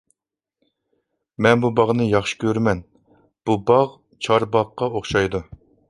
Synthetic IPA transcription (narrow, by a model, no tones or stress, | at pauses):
mɛnbubɑʁnɨjɑχʃi̥kʲʰøɾmɛn | b̥ubɑʁ | t͡ʃʰɑɾbɑʁqːɑoχʃɑjd̪u